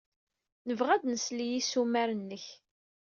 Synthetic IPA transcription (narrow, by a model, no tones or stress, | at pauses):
nəvʁæd̪nəslijisumæɾənːəç